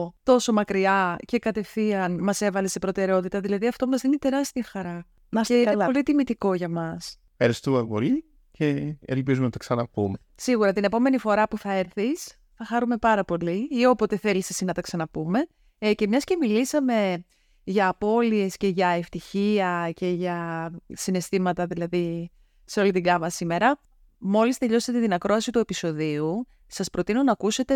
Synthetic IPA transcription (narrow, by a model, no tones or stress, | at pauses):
t̪o̞so̞mɐkɾiɐce̞kɐt̪e̞fiɐnmɐse̞vɐlese̞pɾo̞t̪e̞ɾeo̞t̪it̪ɐðilɐðiɐft̪o̞mɐzðinet̪e̞ɾɐst̪iɐxɐɾɐ | mɐsolit̪imit̪iko̞ʝɐmɐs | eɾest̪uɐpo̰li | ce̞ḛlpizumenɐt̪ɐksɐnɐpume | siɣuɾɐt̪ine̞po̞me̞nifo̞ɾɐpuθɐeɾθis | θɐxɐɾume̞pɐɾɐpo̞liio̞po̞t̪e̞θe̞lisesinɐt̪ɐksɐnɐpume̞ | ce̞mɲɐsce̞milisɐme̞ | ʝɐːpo̞lie̞sce̞ʝɐe̞ft̪içiɐce̞ʝɐsine̞st̪imɐt̪ɐðilɐði | seo̞lit̪iɡɐvɐsime̞ɾɐ | mo̞list̪e̞ʎo̞set̪et̪inɐkɾo̞ɐsit̪ue̞piso̞ðiu | sɐspɾo̞t̪inonɐːkuse̞t̪e̞